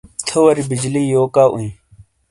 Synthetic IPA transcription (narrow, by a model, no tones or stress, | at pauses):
t̪ʰowɐɾibid͡ʑliːjoːkaːʔṵĩ